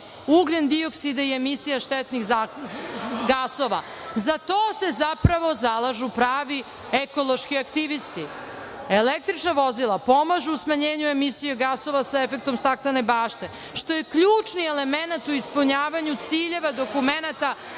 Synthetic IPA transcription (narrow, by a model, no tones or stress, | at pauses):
uɡlend̪ioksid̪aie̞misijaʃt̪et̪nixza | ɡaso̞ʋa | zat̪o̞ːse̞zapɾaʋo̞zalˠaʒupɾaːʋi | eko̞lˠo̞ʃkiakt̪iʋist̪i | elek̚t̪ɾit͡ʃnaʋo̞zilˠapo̞maʒuusmaɲeːɲue̞misijeɡaso̞ʋasaefek̚t̪omst̪akt̪ane̞baːʃt̪e̞ | ʃt̪o̞jekʎuːt͡ʃnielemenat̪uispuɲaːʋaɲut̪siːʎe̞ʋad̪o̞kumenat̪a